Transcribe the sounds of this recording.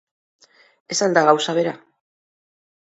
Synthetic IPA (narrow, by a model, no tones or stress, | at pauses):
e̞sald̪aɣawsaβ̞e̞ɾa